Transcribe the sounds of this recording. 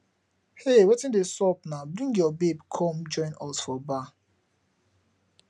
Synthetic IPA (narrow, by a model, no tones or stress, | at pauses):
hewetĩndesɔpnabɹĩŋɡjɔbebkʰɔ̃md͡ʒɔ̃ɪ̃nɔsfɔba